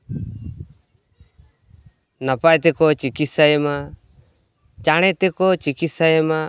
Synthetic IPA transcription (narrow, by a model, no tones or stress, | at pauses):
napajt̪ɛkɔt͡ʃikit̪sajɛma | t͡ʃaɽ̃ɛt̪ɛkɔt͡ʃikit̪sajɛma